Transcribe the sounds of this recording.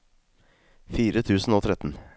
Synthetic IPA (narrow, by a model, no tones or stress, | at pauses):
fiːɾət̪ʰʉːsn̩oːt̪ʰɾɛt̪n̩